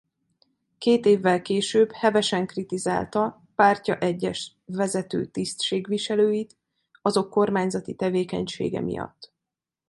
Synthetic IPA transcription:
keːt̪eːvːɛlkeːʃøːbhɛvɛʃɛŋkrit̪iza̰ːlt̪ɒ | paːrcɒʔɛɟːɛʃ | vɛzɛt̪ø̰ːt̪ist̪ʃeːɡʋiʃɛløːjit̪ | ɒzo̞kːo̞rmaːɲzɒt̪it̪ɛveːkɛ̰ɲʃḛːɡɛ̰mḭjɒ̰t̪ː

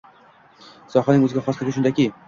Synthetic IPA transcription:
sɒχanɪŋɵzɪɡʲaχɒslɪɡʲɪʃ̬ʊnd̪akʲi

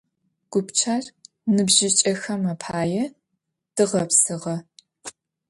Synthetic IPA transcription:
ɡ̥ʷʊpt͡ʃʰaːr | nɨbʑɪt͡ʃʼɐxɐmɐpʰaːjɛ | d̥ɨʁɐpsɨʁɐ

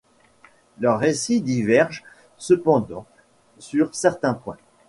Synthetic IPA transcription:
lœʁːesid̪ivɛʁʒ | səpɑ̃d̪ɑ̃ | syʁsɛʁt̪ɛ̃pwɛ̃

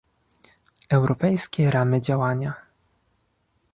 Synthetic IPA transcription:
ɛwɾɔpɛjskʲɛɾamɘd͡ʑawaɲa

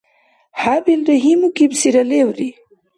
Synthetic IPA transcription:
habilɾaɦimukibsiɾalewɾi

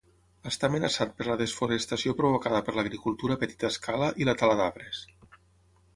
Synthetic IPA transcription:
əst̪aːmənasat̪̚pəɾləðəsfuɾest̪asiopɾuβokaðəpəɾləɣɾikulˠt̪uɾəpət̪i̥t̪əskʰaləʔilət̪alaðaβɾes

